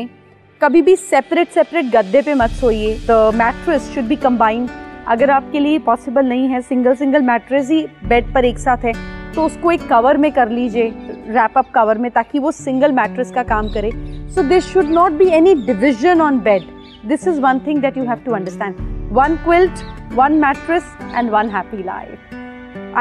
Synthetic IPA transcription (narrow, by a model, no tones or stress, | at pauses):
kɐbʱibʱisɛpɾeʈsɛpɾeʈ̚ɡɐd̪ːepemɐt̪soːied̪əmæːʈɾəsʃʊɖ̚biːkɐ̃mbãːɪ̃nɖɐ̰ɡəɾaːp̚keliepɔːsɪbəlnɐɦĩɦɛsɪ̃ŋɡəlsɪ̃ŋɡəlmæːʈɾəs̬ɦibɛɖ̚pɐɾeːksaːt̪ʰɦɛːt̪oʊskoeːkːɐʋəɾmẽkɐɾliːd͡ʒeɾæːpɐp̚kɐʋəɾmẽt̪aːkiʋosɪ̃ŋɡəlmæːʈɾəskakaːmkɐɾẽːsoːd̪ɪːʃʊɖnɔːʈ̚biːɛniɖɪʋɪʒə̃nɔ̃ːnbɛɖ | d̪ɪsɪzʋɐ̃nt̪ʰɪ̃ŋd̪æʈjuːɦæʋʈuɐ̃ɳɖəɾsʈæ̃ːɳɖʋɐ̃nkwɪlʈʋɐ̃nmæːʈɾəsʔɛ̰̃ɳɖʋɐ̃nɦæːpila̰ɪf